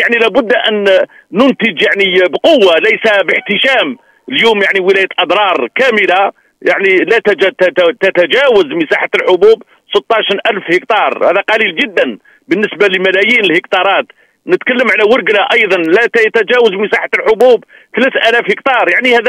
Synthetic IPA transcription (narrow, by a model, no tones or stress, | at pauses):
jaʕnilæbʊd̪ːʔænː | ʊnt̪əd͡ʒjaʕnibqowːalæjsabəħt̪əʃæm | ljumjaʕniwəlæjət̪lʔɑd̪ɾˤɑɾˤkæməla | jaʕnilæt̪d͡ʒt̪t̪æt̪æd͡ʒæwəzməsɑħat̪əlħʊbub | sˤət̪ˤːɑʃɾʔælfhəkt̪ɑɾˤhæðæqɑlilʒəd̪ːæn | bənːəsbaləmælæjinəlhəkt̪ɑɾˤɑt̪ | nət̪kælːəmʕalæwʊɾɡlaʔɑjd̪ˤɑnlæt̪jt̪æd͡ʒæwəzməsɑħat̪lħʊbub | θlæt̪ʔælæfhəkt̪ɑɾˤjaʕnihæd̪æ